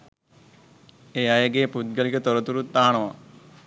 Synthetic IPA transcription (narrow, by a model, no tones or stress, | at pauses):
eajəɡeːput̪̚ɡəlikət̪oɾət̪uɾut̪ːaɦaɳ̃ɐʋa